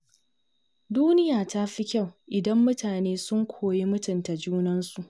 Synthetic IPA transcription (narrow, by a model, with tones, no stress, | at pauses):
duː˦nɪ˦jaː˨ta˦ɸi˦kʲa˦˨wʔɪ˨dɐ˦mːʊ˦tʰaː˨neː˦sʊ˦ŋkʷʰoː˨je˦mʊ˦tʊ˨nta˨d͡ʒuː˦nɐ˦nsu˨ʔ